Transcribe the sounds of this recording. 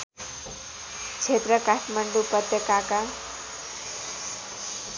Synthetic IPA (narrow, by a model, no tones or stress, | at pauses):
t͡sʰet̪ɾʌkaʈʰməɳɖupʌt̪ːʌkaka